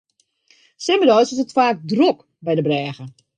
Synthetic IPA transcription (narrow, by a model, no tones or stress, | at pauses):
sɪmədɔːsɪsətfaːk̚drok | bɛjdəbrɛːɣə